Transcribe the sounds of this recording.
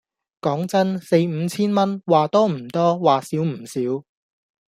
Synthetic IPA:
kɔː˨˥ŋt͡sɐ˥nse˧jm̩˨˧t͡sʰiː˥nmɐ˥nwaː˨t̪ɔː˥m̩˨˩t̪ɔː˥waː˨siː˨˥wm̩˨˩siː˨˥w

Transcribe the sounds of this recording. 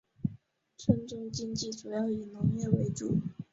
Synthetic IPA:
ʈ͡ʂʰə˥nʈ͡ʂʊ˥ŋt͡ɕi˥ŋt͡ɕi˥˩ʈ͡ʂu˨˩jɑ˥˩ʊi˨˩nʊ˧˥ŋjɛ˥˩we˧˥ɪʈ͡ʂṵ˨˩˦

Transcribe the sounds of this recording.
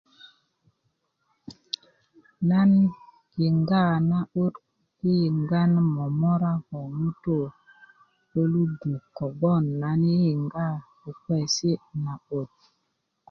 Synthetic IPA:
na˦n | ki˨ŋɡa˦˨na˦o˦t | i˦ji˨ŋɡa˦nmɔ˨mɔ˦ɾa˦hɔ˨mu˦to˦˨ | o˦lu˦du˨kːɔ˨bɔ˦˨nːa˨ni˦ji˨ŋɡa˦˨ | u˨kɛ˦˨si˦na˨o˨t̚

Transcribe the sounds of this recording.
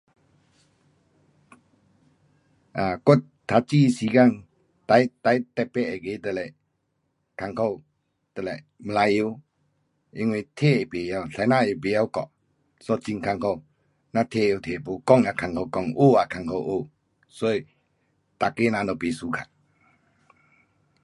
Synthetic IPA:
ʔa˨ko˦˨t̪ʰːa˨˧t͡ʃi˦˨si˧ka˧˨ŋ | t̪a˧˦jt̪a˧˦jt̪ɛ˧˨pːɛ˦˨ʔɛ˨ɡe˧˦t̪ə˨lɛ˨ | kʰa˧˨ŋkʰɔ˦˧w | t̪ə˨lɛ˨ | mə˨la˧˦jo˧˦ | e˧˨ŋwe˧˨t̪ʰe˦˨ɛ˨pe˨ja˦˧˨ɬa˨˦na˦˨e˨pe˨ja˦wkɔ̰˨ʔ | sɔ˧˨t͡ʃi˧˨ŋkʰa˧˨ŋkʰɔ˧˨w | na˧t̪ʰe˦˧˨jo˧˨t̪ʰe˨po˨kɔ˦˨ŋa˨kʰa˨ŋkʰɔ˧˨wkɔ˧˨ŋʔo˦˨a˨kʰa˨ŋkʰɔ˧˨wʔo˦˨ | so˦˨j | t̪a˨ke˦na˧˨nɔ˨pe˨su˨kʰa̰˨

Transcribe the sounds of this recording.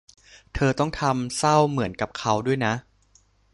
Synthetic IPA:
t̪ʰɤː˧t̪ɔ˥˩ŋt̪ʰa˧msa˥˩wmɯ˩˦ənka˨˩p̚kʰa˦˥wdu˥˩əjna˦˥ʔ

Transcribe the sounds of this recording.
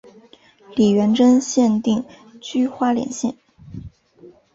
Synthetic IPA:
li˨˩ɥɛ˧˥nʈ͡ʂə˥nɕjɛ˥˧nt̪i˥˩ŋ | t͡ɕy˥xwa˥ljɛ̰˨˩nɕjɛ̰˥˩n

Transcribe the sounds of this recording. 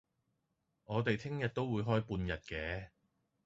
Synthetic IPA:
ŋɔː˨˧t̪e˨jt̪ʰɪ˥ŋjɐ˨t̚t̪o˥wuː˨˧jɦɔː˥jpuː˧njɐ˨t̚kɛː˨˥

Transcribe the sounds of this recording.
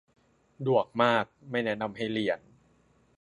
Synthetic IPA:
du˨˩ək̚maː˥˩k̚ma˥˩jnɛ˦˥na˧mɦa˥˩jli˨˩˦ən

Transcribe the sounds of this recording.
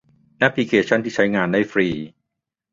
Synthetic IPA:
na˦˥pʰli˧kʰeː˧t͡ɕʰa˥˩nt̪ʰiː˥˩a˦˥jŋaː˧nːa˥˩jfɾiː˧

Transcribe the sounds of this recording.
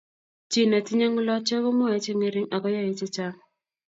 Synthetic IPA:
t͡ʃi˦na˨ti˦ɲa˦ŋu˦lɔ˦t͡ʃɔ˦kɔ˦mɔ˦a˨e˦t͡ʃe˦ŋe˦ɾi˦ŋa˨kɔ˦ja˦e˦t͡ʃe˦t͡ʃa˦ŋ

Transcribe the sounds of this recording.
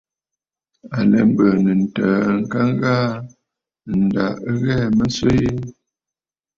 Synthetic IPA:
a˨lɛ˨m̩˦bə˨nə˨n̩˨təː˨˦˨ŋ̩˦ka˦ŋ˦ɣaː˦ | n̩˨da̰˨˦ɣɛ˦˨mə˦nswe˦ji˦

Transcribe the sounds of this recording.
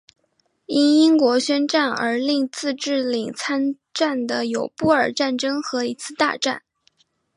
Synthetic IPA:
i˥ni˥ŋkwɔ˧˥ɕɥɛ˥nʈ͡ʂa˥˩nə̰˞˧˥li˥˧ŋt͡sɹ̩˥˧ʈ͡ʂɻ̩˥˩li˨˩ŋt͡sʰa˥n | ʈ͡ʂa˥˩nd̪ə˩jo˨˩ʊpu˥˩ə˞˨˩ʈ͡ʂa˥˩nʈ͡ʂɤ˥ŋxɤ˧˥i˧˥t͡sʰɹ̩˥˧t̪a̰˥˧ʈ͡ʂa̰˥˩n

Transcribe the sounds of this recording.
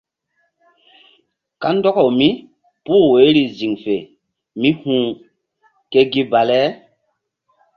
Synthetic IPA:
ka˦ndɔ˦kɔ˨mi˦ | pu˦˨we˨˦ɾi˨zi˨ŋfe˨ | mĩ˦hũː˦ | ke˦ɡi˦ba˨lɛ˦

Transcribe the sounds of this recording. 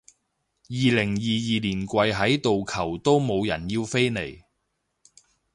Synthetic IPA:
jiː˨lɪ˨˩ŋjiː˨jiː˨liː˨˩nkʷɐ˧jɦɐ˨˥jt̪o˨wkʰɐ˨˩wt̪o˥wmo˨˧wjɐ˨˩njiː˧wfe˥jne˨˩j

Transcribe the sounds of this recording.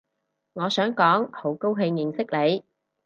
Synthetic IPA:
ŋɔː˨˧sœː˨˥ŋkɔː˨˥ŋho˨˥wko˥wɦe˧jjɪ˨˩ŋsɪ˥k̚le˨˧j

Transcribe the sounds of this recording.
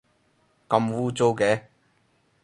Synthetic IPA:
kɐ˧mwuː˧t͡so˧wkɛː˨˧

